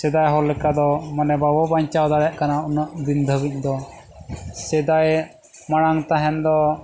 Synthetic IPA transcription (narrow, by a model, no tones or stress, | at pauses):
sɛd̪ajɦɔlɛkad̪ɔmanɛbabɔbaɲt͡ʃawd̪aɽɛʔkanaunaʔd̪ind̪ʱəbic̚d̪ɔ | sɛd̪aj | maɽ̃aŋt̪aɦɛnd̪ɔ